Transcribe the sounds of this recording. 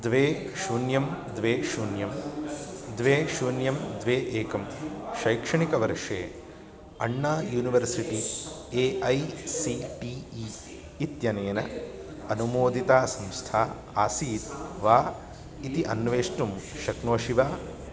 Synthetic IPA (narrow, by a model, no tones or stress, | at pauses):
d̪ʋeː | ʃuːnjɐmd̪ʋeːʃuːnjɐm | d̪ʋeːʃuːnjɐmd̪ʋeːʔeːkɐmʃɐjkʂɐɳikɐʋɐɾʂḛː | ɐɳːaːjuːniʋɐɾsiʈieːʔɐjsiʈiːi | it̪jɐneːnɐ̰ɐnumoːd̪it̪aːsɐ̃mst̪ʰaː | aːsiːt̪ʋaː | it̪iʔɐnʋeːʂʈumʃɐknoːʃiʋaː